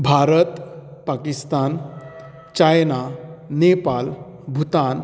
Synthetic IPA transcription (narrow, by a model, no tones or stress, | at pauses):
bʱaɾət̪pakist̪an | t͡ɕajnanepal | bʱut̪an